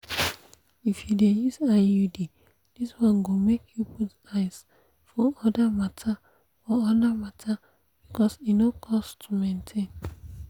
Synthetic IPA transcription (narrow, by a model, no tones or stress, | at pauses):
ifjudejizajudi | d̥iswɔ̃nɡomekʰjuput | aɪs | fɔɔdamatʰa | fɔɔdamatʰa | b̥ikɔsinokʰɔstʰumẽntʰẽn